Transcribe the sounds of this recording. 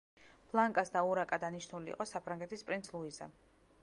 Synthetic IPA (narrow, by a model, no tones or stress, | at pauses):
b̥lˠaŋkʼasd̪auɾakʼad̪aniʃnulḭːqʼɔsapʰɾaŋɡɛt̪ʰispʼɾint̪sʰlˠuiza̰